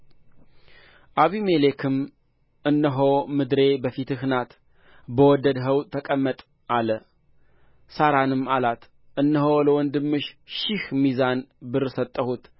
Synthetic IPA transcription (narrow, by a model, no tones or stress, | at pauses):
ʔaβimelekʰɨm | ʔɨnːəɦomɨd̪ɾe̞bəfit̪ɨhnat̪ | bəwɔd̪əd̪ɦəwt̪t̪ʰːəkʼəmːət̪ʼ | ʔalə | saɾanɨmːalat̪ | ʔɨnːəɦoləwɔnd̪ɨmːɨʃʃɪhmizanbɨɾsət̪ʼːəhut̪